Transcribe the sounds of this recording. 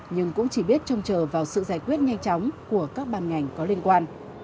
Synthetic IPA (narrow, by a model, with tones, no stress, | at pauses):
ɲɨ˧ŋkʊ̰˧˥ŋ͡mt͡ɕi˧˩ɓi˦˥ət̚t͡ɕɔ˧wŋ͡mt͡ɕəː˨˩vaː˨˩wsɨ̰˧˨zaː˧˩jkwi˦˥ət̚ɲa˧jŋ̟t͡ɕɔ˨˦wŋ͡mku˧˩əkaː˦˥k̚ɓaː˨˩nŋa˨˩jŋ̟kɔ˨˦li˧ənkwaː˧n